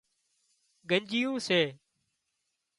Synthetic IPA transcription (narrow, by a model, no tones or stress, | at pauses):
ɡʱəɲd͡ʒɪjũːseː